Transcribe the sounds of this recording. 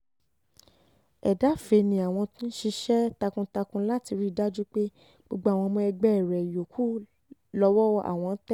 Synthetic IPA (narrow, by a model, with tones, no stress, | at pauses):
ɛ˨da˨˦fe˨˦nĩ˧a˨w̃ɔ̃˧tũ˦ʃi˧ʃɛ˦ta˧kũ˧ta˧kũ˧˦la˦ti˧ɾi˦˨da˦d͡ʒu˦k͡pe˦ | ɡ͡bo˧ɡ͡ba˧˦˨w̃ɔ̃˧mɔ̃˧ɛ˧ɡ͡bɛ˦˨ɾɛ˨jo˨kʰu˦ | lɔ˧wɔ˦ʔa̰˨w̃ɔ̃˧n̩˦tɛ˦